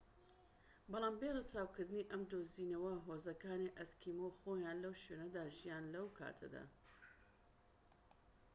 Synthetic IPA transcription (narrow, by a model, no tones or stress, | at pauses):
bɑlˠaːmberɐt͡ʃaːwkɨɾd̪ɨniʔɐmd̪oːziːnɐwɐɦoːzɐkaːniʔɐskʰiːmowxoːjaːnlɐwʃenɐd̪aːʒijaːnlɐwkʰa̰ːt̪ʰɐ̰d̪a̰ː